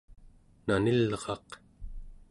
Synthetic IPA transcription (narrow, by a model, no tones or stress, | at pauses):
nanilʁɑq